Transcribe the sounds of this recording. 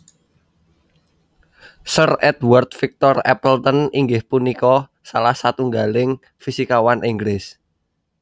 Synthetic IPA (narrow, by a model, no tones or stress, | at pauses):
sərɛt̪wərt̪̚fik̚t̪ɔrɛ̰pəlt̪əniŋɡɪhpunikɔ | salahsat̪uŋɡalɪŋ | fisikawanʔiŋɡlɪs